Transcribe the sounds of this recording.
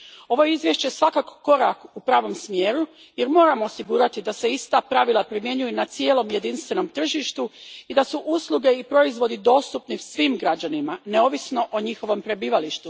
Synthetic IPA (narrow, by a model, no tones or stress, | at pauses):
o̞ʋo̞jeizʋje̞ʃt͡ɕesʋakako̥ko̞ɾakupɾaːʋo̞msmje̞ːɾu | je̞ɾmo̞ːɾamoːsiɡuːɾat̪id̪ase̞ist̪apɾaʋilˠapɾimje̞ɲujunat̪sijeːlo̞mje̞d̪inst̪ʋe̞no̞mt̪r̩ʒiʃt̪uid̪asuʔuslˠuɡe̞ipɾo̞izʋo̞d̪id̪o̞ːst̪upnisʋiːmɡɾad͡ʑanimane̞o̞ʋisno̞ʔoɲixo̞ʋo̞mpɾe̞biːʋaliʃt̪u